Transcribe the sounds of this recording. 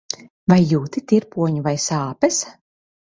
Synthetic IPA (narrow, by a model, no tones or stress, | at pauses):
vajːuːt̪it̪iɾpuɔɲuvajsaːpɛs